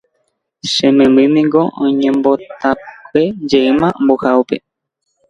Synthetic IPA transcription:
ʃẽmẽmɨ̃mĩŋɡoʔõɲẽmbo̞t̪akʷed͡ʒeɨmãmbohaope̞̰

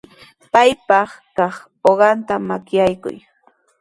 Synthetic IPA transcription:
pajpɑχkɑχ | oɢɑnt̪amakjajkʊ̰j

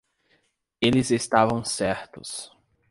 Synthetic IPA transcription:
elɪzest̪avɐ̃w̃sɛɾt̪ʊs

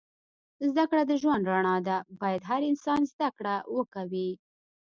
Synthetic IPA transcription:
zd̪akɽad̪əʒwand̪ɾaɳɑd̪abɑjad̪ɦaɾɪnsɑnzd̪akɽawəkawi

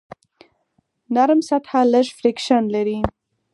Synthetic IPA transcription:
naɾmsat̪haləʃfɾɪkʃanlaɾi

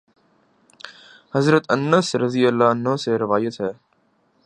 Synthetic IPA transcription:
həzɾət̪ənəsɾəziːəlːaːnoːseːɾɪʋaːjət̪ɦɛː

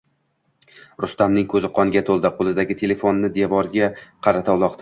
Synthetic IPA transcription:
ɾʊst̪amnɪŋkʰɵzɪqʰɒnɪɡʲat̪ʰolˠd̪aqʰolˠɪd̪aɡʲɪt̪ʰe̞le̞fonːɪd̪evɒɾɡʲaqʰɑɾat̪ʰalˠɒqd̪ɪ

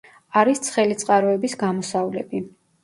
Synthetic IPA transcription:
aɾist̪sʰχɛlit̪sʼqʼaɾɔɛbisɡamɔsavlɛbi

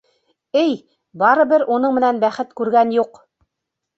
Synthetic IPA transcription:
ɘj | bɑɾɤ̆bɘɾunɤɴmɘ̆nænbæχɘt̪kʉɾɡænjuq

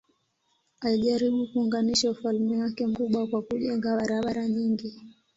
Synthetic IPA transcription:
aiʄaɾiɓukuːŋɡaniʃaufalmɛwakɛm̩kuɓwakwakuʄɛŋɡaɓaɾaɓaɾaɲiŋɡi

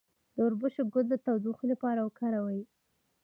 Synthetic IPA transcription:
d̪̥əʊɾbʊʃoɡʊd̪lət̪awd̪uxolapɑɾawəkaɾawaji

